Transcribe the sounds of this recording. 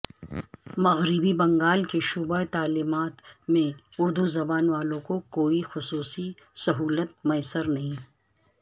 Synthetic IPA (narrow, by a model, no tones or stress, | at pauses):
mɐɣɾɪbibɐ̃ŋɡaːlkeʃʊbət̪aːliːmaːt̪mẽ | ʊɾd̪uzɐbaːnʋaːlõkokoːixʊsuːsi | sɐɦuːlət̪̚mɐjsəɾnɐɦĩ